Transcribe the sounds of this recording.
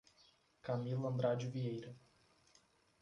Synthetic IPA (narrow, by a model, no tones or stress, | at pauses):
kamilɐ̃nd̪ɾad͡ʒuviejɾɐ